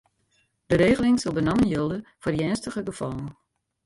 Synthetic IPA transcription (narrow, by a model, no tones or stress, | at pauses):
d̥əɾeːɣəlɪŋsɔlˠbənamənjølˠdəfodjɛːnstəχəɡəfɔlˠən